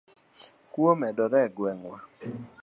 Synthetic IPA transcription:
kwomɛdɔɾɛɡwɛŋwa

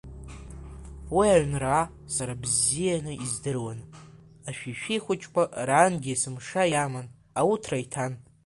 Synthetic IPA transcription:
wiaɥnra | saɾabzijanɨʔizdɨrwan | aʃᶣiʃᶣijχʷʊt͡ʃʼkʷʼaranɡʲiasɨmʂajaman | awutʰraitʰan

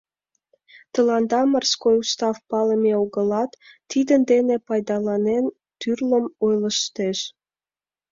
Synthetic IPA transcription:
t̪ə̆lɑnd̪ɑmərskojust̪ɑfpɑləmeoɣəlɑt̪ː | id̪ənd̪enepɑjd̪ɑlɑnen | t̪yrləmojləʃt̪eʃ

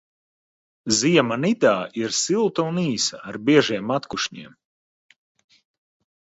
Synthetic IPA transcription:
ziɛmanid̪aːiɾsilˠt̪uuniːsa̰ːɾbiɛʒiɛmat̪kuʃɲḭɛm

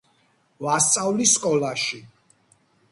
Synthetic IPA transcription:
vast̪sʼavliskʼɔlaʃi

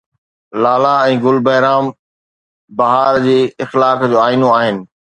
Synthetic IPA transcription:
laːlaɛ̃ːɡʊlbɐɦɪɾaːm | bɐɦaːɾd͡ʑeːɪxlaːkd͡ʑoːaːinoaːɦɪnɪ̆

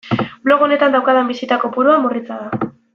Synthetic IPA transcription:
blo̞ɣo̞ne̞t̪and̪awkaðembisit̪ako̞puɾuamurit͡saða

